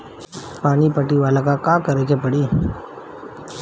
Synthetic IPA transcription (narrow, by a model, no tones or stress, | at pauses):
paːnipəʈiʋaːlakãkãːkəɾet͡ʃʰepəɽiː